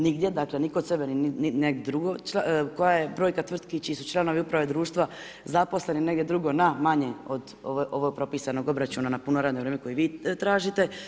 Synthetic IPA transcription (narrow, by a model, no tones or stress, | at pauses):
niɡd̪jed̪aklenikod̪sebeniiineɡd̪ɾuɡot͡ʃakojajebɾo̞ːjkat̪ʋr̩t̪kit͡ʃiːsut͡ʃlˠano̞ʋiupɾaʋed̪ɾuːʃt̪ʋa | zapo̞sle̞nine̞ɡd̪ʲjed̪ɾuɡo̞namaɲeod̪ | oʋʔoʋoɡ̚pɾo̞piːsano̞ɡo̞bɾat͡ʃunanapunoɾad̪noʋɾeːmeko̞jiʋiːt̪ɾaːʒit̪e̞